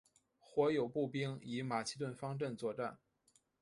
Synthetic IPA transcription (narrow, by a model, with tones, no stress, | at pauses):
xwɔ˧˥jo˨˩ʊpu˥˩pi˥ŋi˧˥ma˨˩ɕi˥t̪̬wə˥˩nfɑ˥ŋʈ͡ʂə˥˧nt͡swɔ˥˧ʈ͡ʂa˥˩n